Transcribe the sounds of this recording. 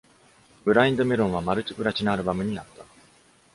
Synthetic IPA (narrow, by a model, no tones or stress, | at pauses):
bɯ̟ɾaĩnd̪o̞me̞ɾõ̞ɰ̃amaɾɯ̟t͡ɕi̥pɯ̟ɾat͡ɕinaaɾɯ̟bamɯ̟ɲ̟iat̪ːḁ